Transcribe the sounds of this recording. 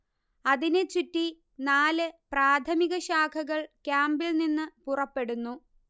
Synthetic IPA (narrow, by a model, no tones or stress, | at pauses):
ɐðinet͡ɕutːi | naːlɨpraːt̪ʰɐmiɣɐɕaːkʰɐɣɐɭkʲaːmbilninːɨpurɐpːe̞ɽunːu